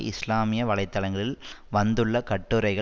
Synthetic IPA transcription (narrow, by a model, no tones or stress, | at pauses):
ʔɪslaːmɪjɐʋɐɭɐɪt̪ːɐɭɐŋɡɐɭɪlʋɐnd̪ɯɭːɐkɐʈːɯɾɐɪɣɐ